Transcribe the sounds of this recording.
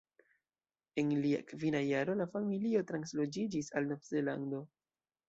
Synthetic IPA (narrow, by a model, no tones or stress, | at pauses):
e̞nlia̰kvinajaɾo̞lafamilio̞tɾanslo̞d͡ʒid͡ʒisalnovze̞lando̞